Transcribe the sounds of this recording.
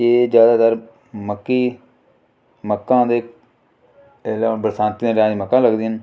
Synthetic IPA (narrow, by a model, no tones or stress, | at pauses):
eːd͡ʒjaːd̪aːt̪əɾ | məkːiː | məkːãːd̪eː | elaːbəɾsãːnt̪iːd̪ẽːɾãːiːməkːãːləɡd̪iːɦən